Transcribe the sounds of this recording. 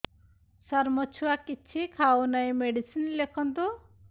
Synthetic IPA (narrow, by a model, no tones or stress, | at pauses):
saɾmɔt͡ʃʰuakit͡ʃʰikʰawnajmeɖisinlekʰɔnt̪u